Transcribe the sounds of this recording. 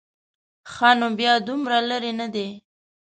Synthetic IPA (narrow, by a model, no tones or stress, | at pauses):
xɑnobjɑd̪umɾalaɾenad̪e